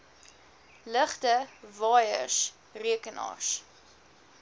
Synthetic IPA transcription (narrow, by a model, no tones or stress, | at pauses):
ləχtəvɑːjə̰rs | riəkənɑ̰ːrs